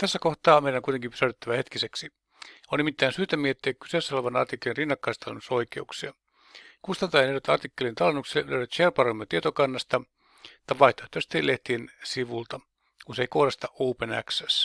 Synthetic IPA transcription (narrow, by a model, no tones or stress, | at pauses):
t̪æsːækoht̪ɑːmeiɾæŋkuit̪eŋkimpysæyt̪et̪ːæʋæhet̪kiseksi | onnimit̪ːæːnsyːt̪æmieet̪ːeækky̥seːˑsːæoleʋɑnɑ̰rt̪ikːelinrinːɑkːɑist̪ɑlenːusoikḛuksiɑ | kust̪ɑnt̪ɑjɑneʋæt̪ɑrt̪ikːelint̪ɑlenːuksilːelø̰yɾæt̪ʃerpɑromːet̪iet̪okɑnːɑst̪ɑ | t̪ɑʋɑiht̪ot̪ːøst̪eleht̪iensiʋult̪ɑ | kunseikodɑst̪ɑuːpenæ̰ksæs